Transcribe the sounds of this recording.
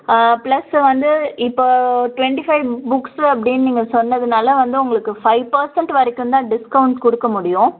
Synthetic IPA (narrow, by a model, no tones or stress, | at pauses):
plɐsʋɐnd̪ɯɪpːoːʈʋɛɳʈifɐɪʋbʊksɐp̬ːɐɽɪnːniːŋɡɐsɔnːɐðɯnaːlɐʋɐnd̪ɯʊŋɡɐɭɯkːɯfɐɪʋpɐɾsɛɳʈʋɐɾɪkːɯnd̪ãːɖɪskɐʊɳʈkɔɽɯkːɐmʊɽɪjʊ̃